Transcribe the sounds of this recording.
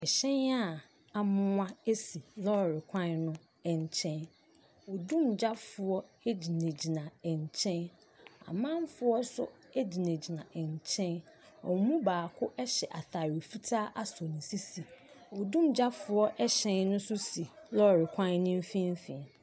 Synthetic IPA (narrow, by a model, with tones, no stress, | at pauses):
ɛ˨ɕɛ̃˦na˦˨ | a˨mʊ̃˦ã˦e˦si˨lɔ˦˨ɾɪ˨kʷʰã˦nnʊ̃˦ | ɛ˨ɲ˨t͡ɕʰɛ̃˦n | ɔ˨dũ˦˨md͡ʑa˦fʊ˨ɔ˦e˦d͡ʑi˨nẽ˨d͡ʑi˨nã˨ɛ˨ɲ˨t͡ɕʰɛ̃˦n | a̰˨mã˦m˦fʊ˦ɔ˦sʊ̰˦ɛ˦d͡ʑi˨nẽ˨d͡ʑi˨nã˨ʔɛ˨ɲ˨t͡ɕʰɛ̃˦n | ɔ˨˦mũ˦baː˨kʰʊ˦ʔɛ˦ɕɛ˨ʔa˨θa˨ɾi˨fi˦tʰaː˦ʔa˦sɔ˨nĩ˨si˦si˨ | ɔ˨dũ˦md͡ʑa˦fʊ˨˦ɔ˦ʔɛ˦ɕɛ̃˦nnʊ̃˦sʊ˦si˨lɔ˦˨ɾɪ˨kʷʰã˦nnɪ̃˦m˦fĩ˦m˦fĩ˨n